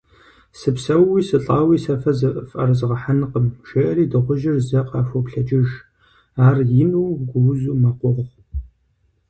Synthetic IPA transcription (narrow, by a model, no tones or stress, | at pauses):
sɨpsɐwːiːsɨɬʼaːwiːsɐfɐzɨʔfʼɐ̰rzɨʁɐħanqəmʃeːʔɐɾiːdɨʁʷʊʒɪrzɐqʼɑːfopɬɐd͡ʒʼɪʒ | aːrjɪnuːwɡʷʊwʊzuːmaqʷʊʁʁ